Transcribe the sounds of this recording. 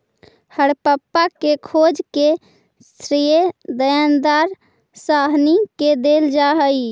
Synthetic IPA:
həɽpəpːakekʰod͡ʒke | sɾijed̪əjand̪aɾ | saɦniked̪eld͡ʒaɦəj

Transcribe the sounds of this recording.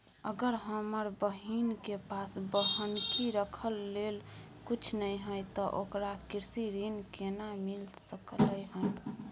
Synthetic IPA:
əɡəɾɦəməɾbəɦinkepasbəɦənkiɾəkʰəlːel | kut͡ʃʰnəjɦə̃t̪ɔʔokɾakiɾsiɾinkenamilsəkləjɦəj

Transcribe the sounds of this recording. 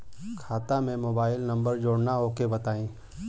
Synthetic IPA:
kʰaːt̪amẽmoːbaːɪlnɐ̃mbəɾd͡ʒoːɽnaɦoːkebɐt̪aːĩː

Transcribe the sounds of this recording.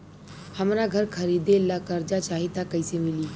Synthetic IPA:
həmɾaːɡʱəɾkʰəɾiːd̪elːaːkəɾd͡ʒaːt͡ʃaːɦiːt̪aːkəisemɪliː

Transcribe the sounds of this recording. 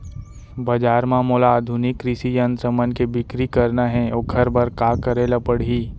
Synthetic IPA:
bɐd͡ʒaːɾmaːmoːlaːd̪ʱunɪkːɾɪʃijɐ̃nt̪ɾəmənkebɪkɾikɐɾnaɦɛ̃oːɡʱɐɾbɐɾkaːkɐɾeːlapəɽɦiː

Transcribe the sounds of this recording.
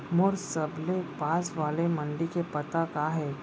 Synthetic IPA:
mʊɾsɐblepaːsʋaːlemɐ̃ɳɖikepɐt̪akaːɦɛː

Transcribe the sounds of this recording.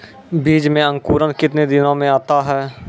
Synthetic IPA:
biːd͡ʒmẽɐ̃ŋkuːɾənkɪt̪ned̪ɪnõmẽaːt̪aɦɛː

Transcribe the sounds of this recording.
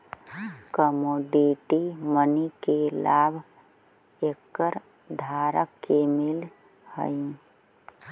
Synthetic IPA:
kəmoːɖiʈimənikelaːbʱ | eːkːəɾ | d̪ʱaːɾəkːemɪl | hə̰i

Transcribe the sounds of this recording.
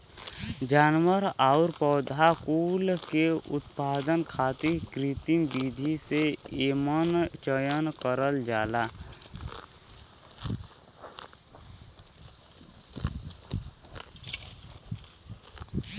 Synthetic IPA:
d͡ʒaːnwəɾaʊɾpəːd̪ʱakuːlkeʊ̰t̪paːd̪ənkʰaːt̪ikɾit̪inbid̪ʱiseeːmənt͡ʃəjənkəɾəld͡ʒaːla

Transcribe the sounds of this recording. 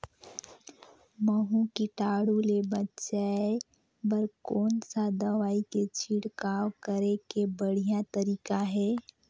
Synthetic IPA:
məɦũkiʈaːɽulebɐtːʃae | bəɾkɔːnsad̪ɐʋaːiket͡ʃʰiɽkaːwkəɾekebəɽ̤ijat̪ɐɾiːkaɦɛː

